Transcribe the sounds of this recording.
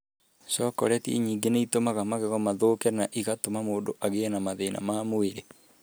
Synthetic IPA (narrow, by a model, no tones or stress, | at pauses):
sɔkɔ̰ɾɛtiḛɲiːŋɡeneitomaɣamaɣɛɣɔmaðokɛnaʔiɣatomamoːndoʔaɣenamaðena̰mamoeɾe